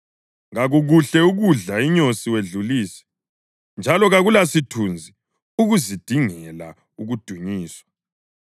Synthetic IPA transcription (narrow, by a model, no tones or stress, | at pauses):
ŋɣaɣuɣuɬɛuɣuɮaiɲosiweɮuliːsi̥ | nd͡ʒʱalɔɣaɣulasitʰund͡zʱi | uɣuzid̥ʱiŋɛla̰ | uɣud̥ʱuɲiːswḁ